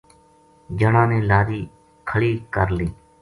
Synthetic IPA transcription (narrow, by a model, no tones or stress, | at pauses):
d͡ʒəɽãːnẽːlaːɾiː | kʰəɭiːkəɾliː